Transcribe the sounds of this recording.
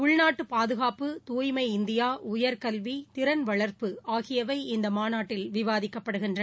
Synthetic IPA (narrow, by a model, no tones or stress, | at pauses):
ʊɭnaːʈːɯpaːðɯɣaːpɯt̪uːjmɐɪɪnd̪ɪjaːʊjɐɾkɐlʋit̪ɪɾɐnʋɐɭɐɾpɯaːɣɪjɐʋɐɪɪnd̪ɐmaːnaːʈːɪlʋɪʋaːðɪkːɐpːɐɽɯɣɪndrɐ